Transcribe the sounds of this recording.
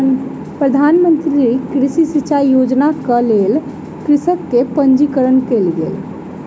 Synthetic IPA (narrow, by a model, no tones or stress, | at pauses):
pɾəd̪ʱanmənt̪ɾilikɾisisit͡ʃajod͡ʒnakəlel | kɾisəkːepənd͡ʒikəɾənkelɡḛl